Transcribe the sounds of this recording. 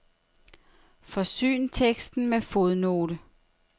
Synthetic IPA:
fɒ̽sy̰ːnt͡sʰeɡ̥sd̥n̩mefo̝ðˠno̝ːɾə

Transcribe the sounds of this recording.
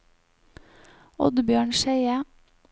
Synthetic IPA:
ɔ̰d̪bjøːɳʃeɪə

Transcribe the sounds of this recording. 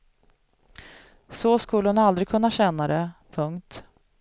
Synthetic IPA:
sɔskɵlːəhʊnald̪ɾɪɡ̚kʰɵnːaɕɛnːad̪ɛpʰɵŋkt̪

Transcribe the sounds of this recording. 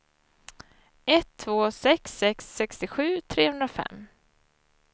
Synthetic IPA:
ɛt̪ʰːvoːsɛksɛksːɛkst̪ɪɧʉ̟ːt̪ʰɾeːhɵnd̪ɾafɛ̰mː

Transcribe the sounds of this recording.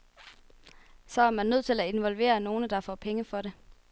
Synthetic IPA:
sɒ̽æɐmænːøð̰ˠt͡sʰe̝læe̝nʋɒ̽lʋe̝̰ːɐno̝ːnəd̥ɑ̈fɒ̰ːpʰeŋəfɒ̽ɾe̝

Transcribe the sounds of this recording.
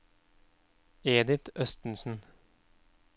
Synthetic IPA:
eːd̪ɪt̪œst̪n̩sn̩

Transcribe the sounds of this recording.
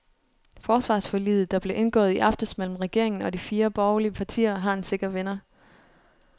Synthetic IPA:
fɒːsʋɑ̰̈sfɒ̽lḭːð̩ˠd̥ɑ̈b̥le̝ʔe̝nɡ̥ɔ̰̽ːð̞̩ˠiʔɑ̈fd̥əsmel̰m̩ʁɛɡ̥e̝ɐ̰e̝ŋn̩ɒ̽d̥ifiːɐb̥ɒʊliəpʰɑ̈t͡sʰḭːɐɦɑ̈e̝nse̝ɡ̥ɐʋenɐ

